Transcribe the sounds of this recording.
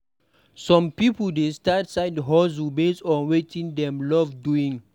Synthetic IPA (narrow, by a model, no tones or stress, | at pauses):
sɔ̃mpipoldestatsaɪdɦɔzubesɔ̃nwetĩŋdɛ̃mlɔvduĩŋ